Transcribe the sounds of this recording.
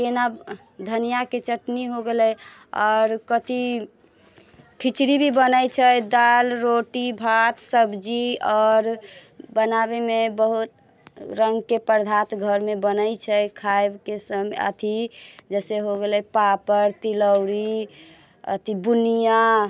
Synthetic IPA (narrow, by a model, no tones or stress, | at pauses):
kena | d̪ʱənijaket͡ʃəʈniɦoɡelɛjɔːɾkət̪i | kʰit͡ʃɾibʱibənəjt͡ʃʰəd̪alɾoʈibʱat̪səbd͡ʒiɔːɾbənabemebəɦut̪ | ɾəŋɡkepəɾd̪ʱat̪ɡʱəɾmebənəjt͡ʃʰəjkʰaebkesəmə̰t̪ʰid͡ʒɛseɦoɡelɛpapəɾt̪iləwɾi | ə̰t̪ʰibunija